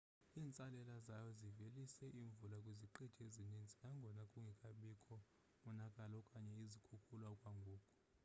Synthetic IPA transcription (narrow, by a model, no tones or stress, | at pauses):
iːnt͡sʼalɛlazajɔzivelisɛʔiːɱvulakʼwiziǃid̥ʰʱezinind͡zʱʼinaŋɡʱɔnakʼuŋɡʱikʼaɓikʰʼɔ | mɔnakʼalɔkʼaɲɛizikʰukʰulwakʼwaŋɡʱuːkʼɔ̥